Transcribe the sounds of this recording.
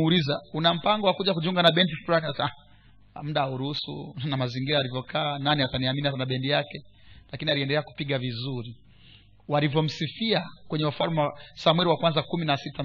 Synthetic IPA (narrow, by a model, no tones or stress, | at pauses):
ulizaunam̩paŋɡɔwakuʄakuʄuŋɡanaɓɛndifɾanta | m̩ɗauɾuhusṵnamaziŋɡiɾaːlivjɔkʰaːnaniataniaminianaɓɛndijakɛ | lakinialiɛndɛlɛaku̥piɠavizuɾi | walivjɔm̩sifiakwɛɲɛwafalmwasamwɛɾiwakwanzakuminasita